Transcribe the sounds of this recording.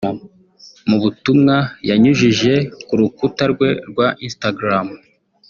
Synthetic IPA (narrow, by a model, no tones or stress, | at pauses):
o | muβutumŋajaɲuʒiʒe̞kuɾukutaɾɡwe̞ɾɡwaʔinstaɡɾam